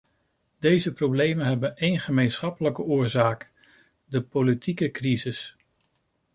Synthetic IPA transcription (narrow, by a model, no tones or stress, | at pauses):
d̥ejzəprowblejmənɦɛbənejnχəmejnsχɑpələkəʊːɹzaːk | dəpolitikəkrizɪs